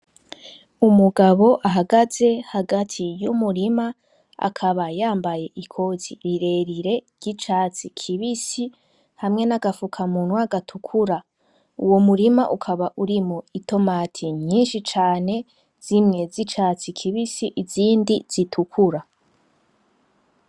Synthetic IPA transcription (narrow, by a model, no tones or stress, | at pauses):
umuɡaβo̞ʔaɦaɡaze̞haɡatʰijumuɾima | a̰kʰaβajaːmbaje̞ʔikʰo̞ziɾiɾe̞ɾiɾe̞ɾɟit͡ʃaːt͡sikʰiβisi | hamŋe̞naɡafukʰamuːn̥hwuaɡatʰukʰuɾa | uwomuɾima̰ʔukʰaβaʔuɾimoito̞matʰiɲɲiːnʃit͡ʃaːne̞ | z̥imŋe̞zit͡ʃaːt͡sikʰiβisiʔiziːndiz̥itʰukʰuɾa